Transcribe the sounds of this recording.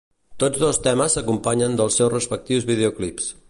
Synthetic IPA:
t̪od͡zðost̪ɛməsəkumpaɲənd̪əlˠsːɛwsrəspək̚t̪iwzβið̞euklips

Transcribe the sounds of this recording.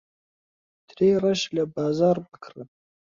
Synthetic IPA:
d̪̥ɾeɾaʃlabɑːzɑːɾwəkʰɾə

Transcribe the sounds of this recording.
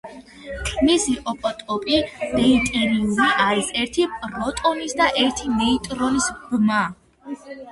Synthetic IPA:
kʰʼmisiʔɔpʼɔt̪ʼɔpʼid̪̥ɛit̪ʼiɾiuliʔaɾisɛɾt̪ʰipʼɾɔt̪ʼɔnisd̪aʔɛɾt̪ʰimɛit̪ʼɾɔnisbma

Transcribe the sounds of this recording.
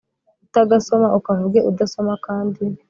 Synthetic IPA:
utaɡaso̞maʔukavuɡeʔudaso̞makaːndi

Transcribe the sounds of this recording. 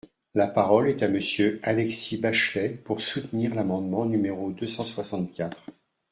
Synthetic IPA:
lapaʁɔlɛt̪aməsjøalɛksibaʃlɛpuʁsut̪niʁlamɑ̃d̪mɑ̃nymeʁod̪øsɑ̃swasɑ̃t̪kʲat̪χ

